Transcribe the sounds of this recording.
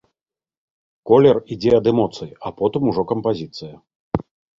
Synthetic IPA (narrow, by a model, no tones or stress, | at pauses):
kɔlʲɛrid͡zʲɛɐd̪ɛmɔt̪sɨjapɔt̪ɨmuʐɔkɐmpazʲit̪sɨjɐ